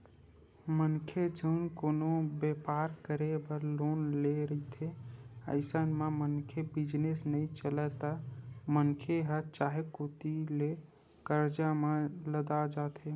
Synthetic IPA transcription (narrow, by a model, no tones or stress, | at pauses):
mənkʰed͡ʒəʊnkoːnobepaɾkəɾebəɾlonleɾəit̪ʰeə̰ɪsənmemənkʰebid͡ʒnesnəit͡ʃəlɛt̪amənkʰeɦət͡ʃaɦekot̪ile | kəɾd͡ʒamẽləd̪ad͡ʒat̪ʰe